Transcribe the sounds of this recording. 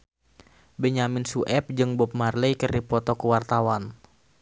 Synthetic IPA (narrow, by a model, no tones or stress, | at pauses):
bɛɲamɪnsuʔɛp̚d͡ʒɨŋbɔp̚marlɛjkərdipɔt̪ɔkəwart̪awan